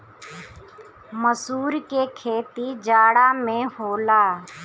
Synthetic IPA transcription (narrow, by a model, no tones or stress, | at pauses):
məsuːɾkekʰeːt̪id͡ʒaːɽaːmẽɦoːlaː